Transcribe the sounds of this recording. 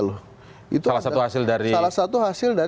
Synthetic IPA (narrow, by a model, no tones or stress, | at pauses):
lʊh | ḭt̪ualahsat̪uhasɪldaɾisalahsat̪uhasɪlda